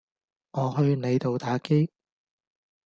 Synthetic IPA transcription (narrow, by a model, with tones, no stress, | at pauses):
ŋɔː˨˧ɦɵ˧ɥne˨˧jt̪o˨wt̪aː˨˥ke˥j